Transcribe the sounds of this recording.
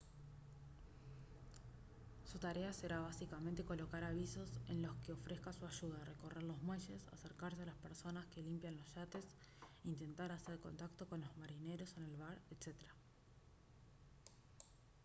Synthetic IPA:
sut̪aɾeaseɾaβasikament̪e̞ko̞lo̞kaɾaβ̞iso̞se̞̰nlo̞skeo̞fɾʔe̞skasuaʃuð̞are̞ko̞re̞ɾlo̞zmwe̞ʃe̞sa̰seɾkaɾs̬e̞alaspeɾso̞naske̞limpjanlo̞sʃat̪e̞s | int̪e̞nt̪aɾaseɾko̞̰nt̪akt̪o̞ko̞nlo̞zmaɾine̞ɾo̞se̞ne̞lβaɾet̪set̪eɾa

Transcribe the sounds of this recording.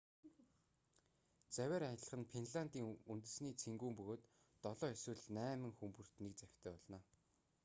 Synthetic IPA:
t͡sæwʲæːɾajə̆ɮə̆χə̆npʰenɮant̪iːŋunt̪ɘ̆sniːt͡sʰeŋɡuːmpɵɣoːt̪ː | ɔɮɔːeswɘ̆ɮnæːmɘ̆ŋxumpɵ̆r̥t̪nek̚t͡sæ̥t̪ʰœːpɔɮnɔː

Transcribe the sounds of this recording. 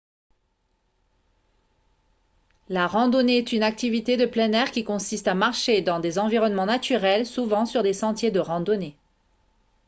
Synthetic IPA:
laʁɑ̃d̪ɔneɛt̪ynak̚t̪ivit̪ed̪əplɛnɛʁkʲikɔ̃sist̪amaʁʃed̪ɑ̃d̪ezɑ̃viʁɔnmɑ̃nat̪yʁɛlsuvɑ̃syʁd̪esɑ̃t̪jed̪əʁɑ̃d̪ɔne

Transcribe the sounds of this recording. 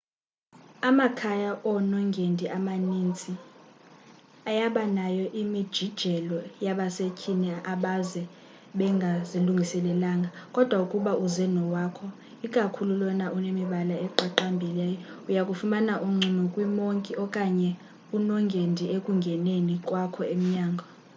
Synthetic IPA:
amakʰajaʔɔnɔŋɡʱendʱiʔamanint͡sʼi | ajaɓanajɔʔimid̥ʒ̥ʱid̥ʒ̥ʱɛlɔjaɓasecʰinɛʔaɓazɛ | ɓɛŋɡʱaziluŋɡʱisɛlɛlaːŋɡʱakʼɔd̥ʱwaukʼuɓaʔuzɛnɔwaːkʰɔ | ikʼakʰululɔnaʔunemiɓalaɛǃaǃambʱilɛjɔujakʼufumanaʔuŋ͡ǀʱinukʼwimoŋkʼiʔɔkʼaɲɛ | unɔŋɡʱendʱiekʼuŋɡʱɛnenikʼwakʰɔem̩ɲaːŋɡʱɔ

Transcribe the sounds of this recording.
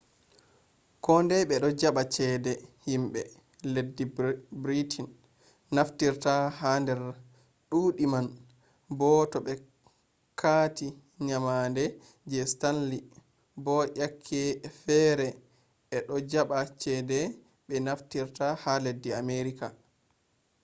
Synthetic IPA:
kɔndɛɓɛɗɔd͡ʒaɓat͡ʃɛːdɛhimɓɛ | ledːibɾitʰin | naftiɾtahandɛɾ | ɗuːɗiman | bɔtɔɓɛ | kʰaːti | ɲamandɛ | d͡ʒɛstanli | bɔʔakʰːɛfɛɾɛ | ʔɛɗɔd͡ʒaɓat͡ʃɛdɛ | ɓɛnaftiɾtahaledːiameɾika

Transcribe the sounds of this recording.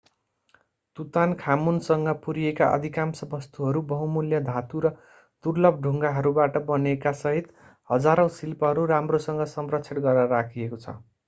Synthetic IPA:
t̪ut̪ankʰamunsʌŋɡʌpuɾijekaʔʌ̰d̪ʱikamsʌbʌst̪uɦʌɾubʌɦũmuljʌd̪ʱat̪uɾʌ | d̪̥urlʌb̚ɖʱuŋɡaɦʌɾubaʈʌbʌnekasʌɦit̪ | hʌd͡zaɾʌ̃w̃silpʌɦʌɾuɾamrosʌŋɡʌsʌmrʌt͡sʰeʈɡʌrʌɾakʰiekot͡sʰʌ̰

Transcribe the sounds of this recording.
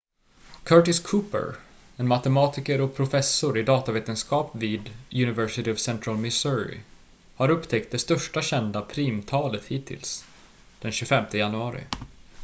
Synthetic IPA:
kʰœʈɪskʰuːpə̰ɾ | ɛnmat̪ɛmɑːt̪ɪkəɾɔk̚pʰɾʊfɛsʊɾɪd̪ɑːt̪aveːt̪ənskɑːpviːd̪jɵnɪvɛʂɪt̪ɪɔvsɛnt̪ɾalmɪsʊɾɪ̰ | haɾɵpːt̪ʰɛk̚t̪̚d̪ɛst̪œʂʈaɕɛnd̪apʰɾiːmt̪ʰɑːlət̪hiːt̪ʰːɪ̰ls | d̪̥ɛnɕʉfɛmt̪ʰəjanɵɑːɾɪ̰

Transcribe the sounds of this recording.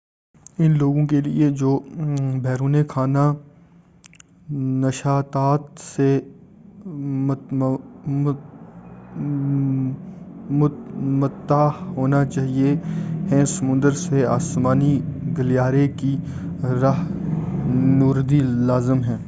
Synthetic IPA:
ɪnloːɡõkelḭed͡ʒoːbʱɛːɾuːnekʰaːna | nəʃaːt̪aːt̪se | mmət̪ːaːɦoːnat͡ʃaːɦieɦɛ̃sɐmʊ̃nd̪əɾsea̰ːsmaːniɡəljaːɾeki | ɾaɦ | nuːɾd̪ilaːzəmɦɛ̃ː

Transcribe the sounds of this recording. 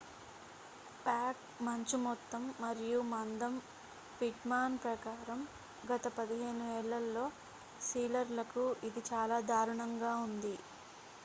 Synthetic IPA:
paːk̚ | mɐɲt͡ʃimɔt̪ːɐmːɐɾijumɐnd̪ɐm | piʈmaːnpɾɐkaːɾɐm | ɡɐt̪ɐpɐd̪iɦe̞ːnuʋɛːɭːɐlːo̞ː | siːlɐɾlɐkuid̪it͡ʃaːlaːd̪aːɾuɳɐŋɡaːund̪i

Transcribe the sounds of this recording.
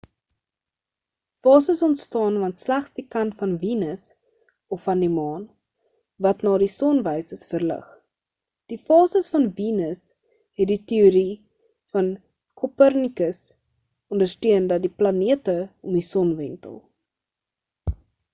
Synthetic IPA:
fɑːsəsɔntstɑːnvɐntslæχsdikɐntfɐnviːnəs | ɔfɐndimɑːn | vɐtnɑːdisɔnvəjsəsfərlə̰χ | d̥ifɑːsəsfɐnvinəs | ɦɛt̚ditiuɾi | fɐn | kʰopərnikəs | ɔndərstøəndɐt̚diplɐniətəɔmdisɔnvɛntə̰lˠ

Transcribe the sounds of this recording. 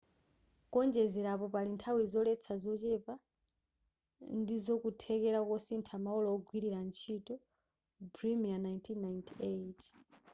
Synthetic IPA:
kɔnd͡ʒɛzɛɾapɔpalintʰawizɔlɛt͡sʰazɔt͡ʃɛpa | ndizɔkutʰɛkɛɾakɔsintʰamaɔlɔɔɡwiɾiɾant͡ʃʰitɔ | bɾimianajntʰinːajntʰet

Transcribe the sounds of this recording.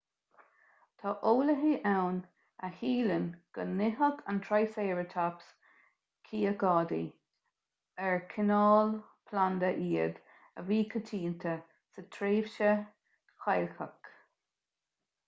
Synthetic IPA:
t̪ʰɑʔoːləɦiʔɛwn | əhiːlənɡ̥ənːɪɦəɡʰa̰nt̪ʰɹajseːɹət̪ʰaps | kʰiːəɡɑːd̪ḭ | ɛɹkʰɪnɑːl | pʰland̪əʔiːəd̪ | əviːkʰət̪ʰiːnt̪ʰə | sət̪ʰɾeːvʃə | xajlxək

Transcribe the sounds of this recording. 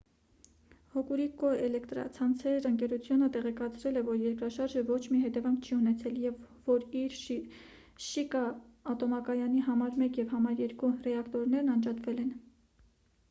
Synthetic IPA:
hɔkuɾikɔɛlɛkt̪ɾɑ̰t͡sʰɑnt͡sʰɛɾəŋkɛɾut͡sʰjunət̪ɛʁɛkɑt͡sʰɾɛlɛvɔɾjɛɾkɾɑʃɑɾʒəvɔt͡ʃʰmiɦɛt̪ɛvɑŋkʰt͡ʃʰiunɛt͡sʰɛljɛvːɔɾiɾ | ʃikɑːt̪ɔmɑkɑjɑniɦɑmɑɾmɛkjɛvhɑmɑɾjɛɾkurɛɑkt̪ɔɾn̪ɛɾnɑnd͡ʒɑt̪vɛlɛn

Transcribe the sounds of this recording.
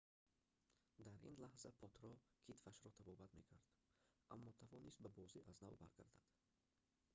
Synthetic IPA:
d̪aɾʔḭnlahzapʰɔt̪ɾɔkʰit̪faʃɾɔt̪ʰabɔbat̪me̞kʰaɾd̪̥ʔa̰mːɔt̪ʰavɔnist̪̚babɔziʔaznavba̰ɾɡa̰ɾd̪ad̪̥

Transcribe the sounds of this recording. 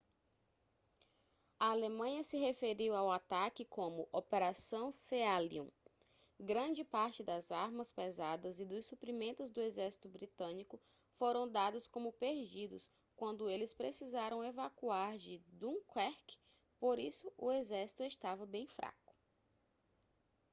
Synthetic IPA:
ɐalemɐ̃ɲɐsɪɦefeɾiwawat̪akɪkõmʊʔopeɾasɐ̃w̃sealiṵ̃ | ɡɾɐ̃d͡ʒɪpaɾt͡ʃɪd̪ɐzaɾmɐspezad̪ɐzɪd̪ʊssupɾimẽnt̪ʊzd̪ʊezɛɾsi̥t̪ʊbɾit̪ɐ̃nikʊ | foɾɐ̃w̃d̪ad̪ʊskõmʊpeɾd͡ʒid̪ʊs | kwɐ̃nd̪ʊelɪspɾesizaɾɐ̃w̃evakuaɾd͡ʒɪd̪ũkwɛɾk | poɾisʊʔʊezɛɾsi̥t̪ʊeʃt̪avɐbẽj̃fɾa̰kʊ̥

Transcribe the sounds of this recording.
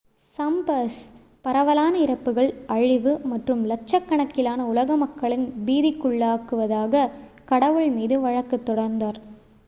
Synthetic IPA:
sɐmbɐs | pɐɾɐʋɐlaːnɐɪɾɐpːɯɣɐɭɐɻɪʋɯmɐʈrɯmlɐt͡ʃːɐkːɐɳɐkːɪlaːnɐʊlɐɣɐmɐkːɐɭɪnbiːðɪkːʊɭːaːkɯʋɐðaːɣɐ | kɐɽɐʋɯɭmiːðɯʋɐɻɐkːɯt̪ːɔɽɐɾnd̪aːɾ

